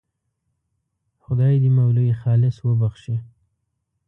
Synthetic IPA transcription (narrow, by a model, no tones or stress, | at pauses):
xʊd̪ɑjd̪əmawlujixɑlɪswəbaxʃi